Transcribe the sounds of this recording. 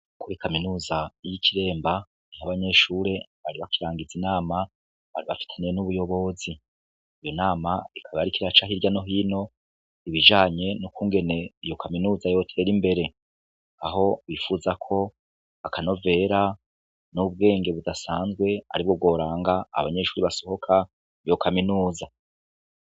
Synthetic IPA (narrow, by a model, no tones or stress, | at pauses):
kʰuɾikʰaminuːzajicʰiɾe̞ːmba | ihaβaɲe̞ʃuɾe̞βaɾiβakiɾaːŋɡizinaːma | βaɾiβafi̥tʰanienuβujo̞βo̞zi | ijo̞naːmaikʰaβaɾikiɾat͡ʃaɦiɾɟano̞ɦino̞ | iβiʒaːɲe̞nukuːŋɡe̞ne̞ijo̞kaminuːzajo̞tʰe̞ːɾimbe̞ɾe̞ | a̰ɦo̞βifuzakʰo̞ | βakʰano̞ve̞ːɾa | nub̚ɡe̞ːŋɡe̞βudasaːnzɡwe̞a̰ɾiβɡo̞b̚ɡo̞ːɾaːŋɡa̰ːβaɲe̞ʃuːɾiβaso̞ho̞kʰa | ijo̞kʰaminuːza